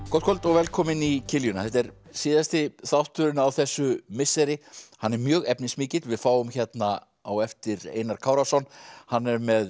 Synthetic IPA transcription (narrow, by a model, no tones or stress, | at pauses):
kʰɔlt̪kʰɔlt̪ɔɣvɛlkʰɔːmɪnicʰɪljʏnaθɛht̪ɛɾsiːðast̪ɪθawht̪ːʏɾɪnʏawθɛsːʏmɪsɛɾɪhanːɛɾmjœːɣɛpnɪsmiːcɪt̪vɪðfaːwʏmçɛt̪na | awɛft̪ɪɾḛːjnaɾ̥kʰaːwɾasɔnːhanːɛɾmɛð